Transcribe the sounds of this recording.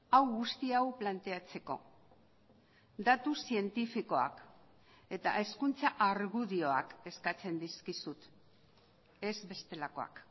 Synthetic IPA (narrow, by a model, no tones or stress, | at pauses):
awɣust̪iawplant̪e̞at͡se̞ko̞̰ | d̪at̪usie̞nt̪ifiko̞a̰k | e̞t̪a̰ʔe̞skunt͡saʔaɾɣuðio̞a̰ke̞skat͡se̞nd̪iskisut̪ | e̞zbe̞st̪e̞lako̞a̰k